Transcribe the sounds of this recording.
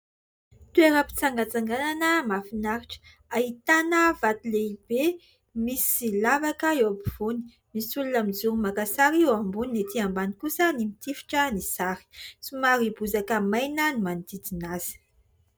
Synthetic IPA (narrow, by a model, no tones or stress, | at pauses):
t̪ueɾəpi̥t͡saŋɡat͡saŋɡananəmafinaɾiʈ͡ʂə̥ | aɦit̪anəvat̪ileib̥e | misilavakəewabiv̥uni̥ | misulunamid͡zuɾimakasaɾiewambuninet̪iambanikusənimit̪ifi̥ʈ͡ʂənisaɾi̥sumaɾibuzakəmajnənimanid̪it͡sinaz̥i̥